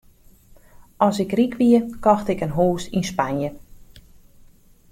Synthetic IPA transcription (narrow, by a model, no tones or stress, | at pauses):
ʔɔsɪkrikʋiəkɔxtɪkənɦoːsinspanjə